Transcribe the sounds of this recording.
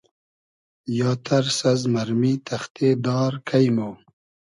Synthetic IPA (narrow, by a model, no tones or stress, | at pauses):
jɑːt̪ʰɐɾsɐzmɐɾmit̪ʰɐxt̪ʰed̪ɑːɾkʰɐjmoː